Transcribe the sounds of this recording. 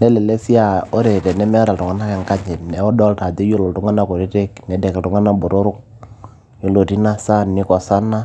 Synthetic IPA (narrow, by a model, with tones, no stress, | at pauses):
nɛ˦lɛ˨le˦si˦a˨ɔ˦ɾe˨tɛ˨nɛ˦mɛ˦ɾa˨ltʊ˨ŋa˦na˦kɛ˨ŋka˦ɲɛ˨nɛ˨ɔ˦dɔ˦lta˨dɛ˦jo˦lo˨ltu˦ŋa˦na˦ko˨ɾi˦tɛ˦knɛ˨˦dɛ˨kltu˨ŋa˦na˦bɔ˨ɾo˦ɾʊ˦k̚ | jo˨lo˨ti˦na˦sa˦nːɪ˦kɔ˨sa˦na˦